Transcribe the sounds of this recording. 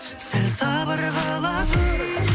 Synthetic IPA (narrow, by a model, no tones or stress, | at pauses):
sɪlsɑbəɾʁɑlˠɑ